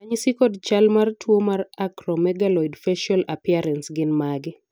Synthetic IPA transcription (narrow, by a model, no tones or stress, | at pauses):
aɲsikɔdt͡ʃalmartʰwomarakɾɔmɛɡalɔjdfɛʃalapiaɾɛnsɡɪnmaɡɪ